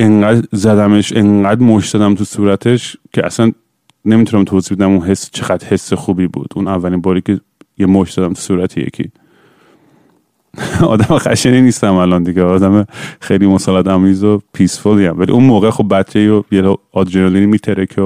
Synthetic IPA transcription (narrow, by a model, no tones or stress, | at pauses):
eŋɢæːd̪zæd̪æmeʃeŋɢæd̪moʃt̪zɒd̪æmt̪ʰusuːɾæt̪ʰeʃcʰeʔæ̰sæn | ne̞mit̪ʰunæmt̪ʰoːziːbe̞d̪æmunɦe̞sːt͡ʃʰeɣæd̪ɾhe̞sːexuːbiːbṵːd̪̥ʔunævːæliːnbɒːɾiːcʰe | jemoʃt̪z̥ɒːd̪æmt̪ʰu̥suːɾæt̪ʰejḛcʰḭ | ɒ̰ːd̪æmexæ̰ʃeniniːst̪æmælɒnd̪iɡeɒːd̪æmexejlimosɒːlæd̪æmːiːzopʰiːsfoliæmvælḭʔunmoːɣexobːæt̪t͡ʃʰːeiɾojelɔɒd̪d͡ʒenelinimiːt̪ʰeɾekʰe